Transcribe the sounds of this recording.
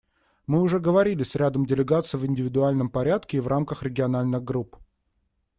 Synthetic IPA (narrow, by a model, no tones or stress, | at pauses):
mɨʊʐɛɡəvɐɾʲilʲɪsʲɾʲad̪əmdʲɪlʲɪɡat̪sɨjvɪnʲdʲɪvʲɪd̪ʊalʲnəmpɐɾʲat̪kʲɪːvrʔamkəxɾʲɪɡʲɪɐnalʲnɨɣɡɾup